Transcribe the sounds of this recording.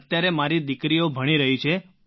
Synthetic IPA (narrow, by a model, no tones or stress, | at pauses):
t̪ːjaɾemaɾid̪ɪkɾiobʱəɽ̃iɾəɦit͡ʃʰe